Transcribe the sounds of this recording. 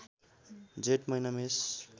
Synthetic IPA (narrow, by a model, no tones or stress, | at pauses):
d͡zeʈmʌjnames